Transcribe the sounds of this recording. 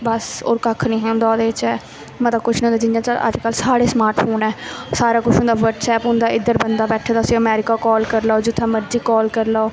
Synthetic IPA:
bəso̰ːɾkəkʰnĩːɦɛ̃ːʊnd̪aːd̪eːɪt͡ʃɛː | mət̪ləbkʊt͡ʃʰñʊ̃nd̪aːd͡ʒɪnãːt͡ʃəə̰d͡ʒkəlsaːɽeːsmaːɾʈpʰoːnɛːsaːɾaːkʊt͡ʃʰʊ̃nd̪aːʋəɾɖsɛːpʊ̃nd̪aːɪd̪əɾbənd̪aːbɛːʈʰaːd̪aəsĩːəmɛːɾɪkaːkɔːlkəɾlaːoːd͡ʒʊt̪ʰːɛ̃ːməɾd͡ʒiːkɔːlkəɾlaːoː

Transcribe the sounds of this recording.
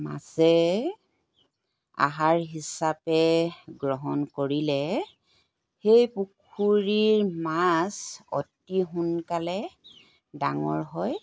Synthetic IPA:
ma̰sɛ | a̰ɦaɹɦisapɛɡɹɔɦɔnkoɹilɛ | xejpukʰuɹiɹmasɔ̰tːiɦunkalɛ | daŋɔ̰ɹɦɔj

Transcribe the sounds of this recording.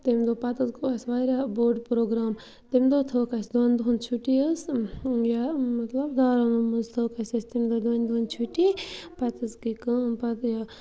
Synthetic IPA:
t̪imd̪opɐt̪ɨzɡoɐsʋaɾaboːɾɖpɾoːɡɾaːm | t̪imd̪ot̪ʰoːkɐsd̪ɐnd̪uunt͡ʃʰuʈiəsjamɐt̪lɐbd̪aːɾanumuzt̪ʰoːkɐsʲɐst̪imʲd̪od̪ʋɐnʲd̪uunt͡ʃʰuʈipɐt̪ɨzkikɐpɐt̪ja

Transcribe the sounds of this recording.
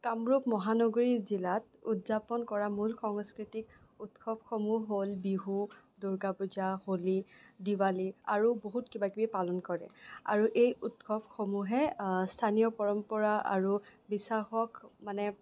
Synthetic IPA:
kamɹupmɔɦanɔɡoɹizilat̚utzapɔnkɔɹamulxɔŋskɹitik̚ | utkʰɔp̚xomuɦolbiɦu | duɹɡapuzaholidiwalia̰ɹuboɦutkibakibipalɔnkɔɹɛ̰a̰ɹuʔejutkʰɔp̚xomuɦɛstʰanijɔpɔɹɔmpɔɹaa̰ɹubisaxɔkmanɛ

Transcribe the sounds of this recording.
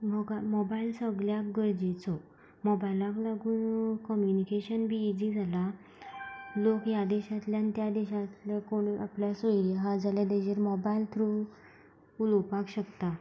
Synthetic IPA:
məɡamɔbailsəɡljakɡəɾd͡ʑit͡sɔ | mɔbajlãklaɡuːnkɔmjunikeɕənbʱiːd͡ʑid͡zʱala | lokjad̪eɕat̪ljant̪jad̪eɕat̪lakoɽ̃apljasəiɾijaɦad͡zʱaljad̪ed͡ʑeɾmɔbailt̪ʰɾu | ulopakɕəkt̪a

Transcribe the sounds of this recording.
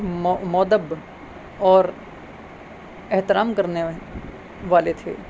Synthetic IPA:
mmɔːd̪əb | ɔːɾ | ɛɦt̪ɪɾaːmkɐɾne | ʋaːlet̪ʰḛː

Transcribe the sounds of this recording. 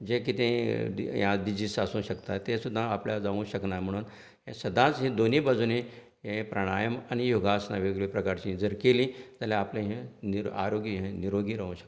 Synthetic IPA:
d͡ʑekit̪ẽjãd̪id͡ʑisasũɕəkt̪at̪ẽsud̪ʱːãːpljad͡zaʋũɕəknam̤əɽ̃uːn | ɦẽsəd̪ʱãt͡sɦĩd̪onibad͡zunẽ | ɦẽpɾəɽ̃ajəmanijoɡasnaʋeɡɭipɾəkaɾt͡ɕĩd͡zəɾkelĩːd͡zaljaːplẽɦẽniɾa̰ɾoɡiɦẽniɾoɡiɾəɦũɕə̥k

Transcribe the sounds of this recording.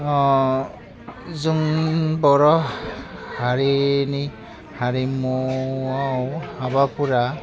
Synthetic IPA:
ɔ | zuŋbɔɾɔ | haɹini | haɹimɔawhabapuɾa

